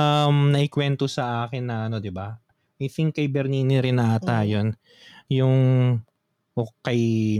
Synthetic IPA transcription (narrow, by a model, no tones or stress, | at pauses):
ɐmnɐʔɪkwɛnt̪osɐʔaːkɛnːɐʔɐno̞d̪ɪba | ʔɐjt̪ɪŋkɐjbɛɾniːnɪɾɪnaːt̪ajon | jʊŋ | ʔokɐj